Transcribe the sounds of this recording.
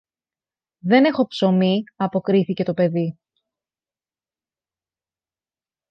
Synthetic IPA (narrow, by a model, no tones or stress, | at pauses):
ðe̞ne̞xo̞pso̞miɐpo̞kɾiθice̞t̪o̞pe̞ði